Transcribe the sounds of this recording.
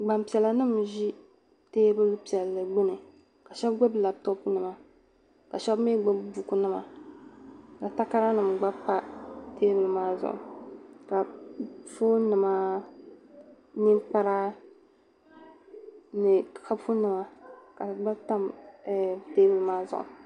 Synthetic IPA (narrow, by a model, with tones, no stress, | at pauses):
ɡ͡ba˨mpi˨ɛ˨la˨nɨ˦mʒi˦ | teː˦bɨ˦lpi˨ɛ˨lːɨ˨ɡ͡bɨ˦nɨ˨ | ka˨ʃɛ˦bɡɛ˦bla˨btɔ˦pnɨ˨ma˨ | ka˨ʃɛ˦bme˦ɡ͡bɛ˦bbu˨ku˦nɨ˦ma̰˨ | ka˨ta˦ka˦ɾa˦nɨ˨mɡ͡ba˦pa˦teː˦bɨ˨lmaː˦zʊ̰˨ka˨fo˦nɨ˨ma˦ | ni˦mpa˦ɾa˦ | nɨ˨ka˦bfu˦nɨ˨ma˨ka˨ba˦ta˦m˨ | teː˦bɨ˦lɨ˦maː˦zʊ̰˨ʔʊ̰˨